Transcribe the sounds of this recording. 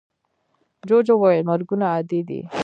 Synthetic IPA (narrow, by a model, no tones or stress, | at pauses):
d͡ʒod͡ʒowojelmaɾɡunaːd̪id̪ḭ